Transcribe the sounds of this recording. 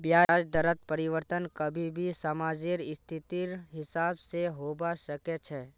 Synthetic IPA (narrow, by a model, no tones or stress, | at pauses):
bjaːd͡ʒd̪əɾət̪̚pəɾɪʋəɾt̪ənkəbʱibʱisamaːd͡ʒɪɾɪst̪ʰɪt̪iɾɦɪsaːbseɦoːbaʃəkɛt͡ʃʰɛː